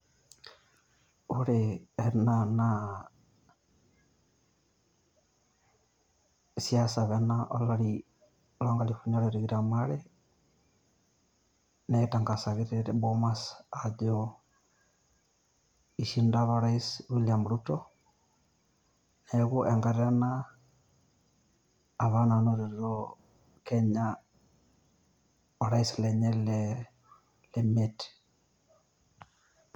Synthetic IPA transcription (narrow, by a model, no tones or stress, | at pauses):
oɾeːnana | siasaβɛnaʔɔlaɾi | lɔŋɡalifuɲaɾeɾiɣiɾamaɾe | netaŋɡasaɣiɾeɾɛbomasad͡ʒo | iʃindaβaɾaiswulamɾutɔ | nɛɡuʔɛŋɡaɾana | aβananɔɾɛɾdɔ | kɛɲa | ɔɾaislɛɲɛlɛ | lɛmet